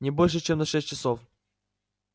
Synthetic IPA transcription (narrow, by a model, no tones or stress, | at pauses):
nʲɪbolʲʂ̬ɨt͡ɕemnɐʂɛsʲtʲt͡ɕɪsof